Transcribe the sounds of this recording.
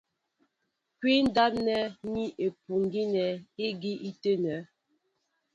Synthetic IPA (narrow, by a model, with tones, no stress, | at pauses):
kwi˦n̩˦da˦nɛ˦ni˦ʔe˨pu˨ŋ˦ɡi˦nɛ˨e˦ɡi˦ʔi˦te˦nɛ˨˦